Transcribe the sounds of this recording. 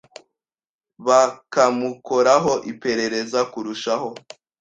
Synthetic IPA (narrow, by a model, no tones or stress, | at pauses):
βakamuko̞ɾaɦo̞ʔipe̞ɾe̞ɾe̞zakuɾuʃaho̞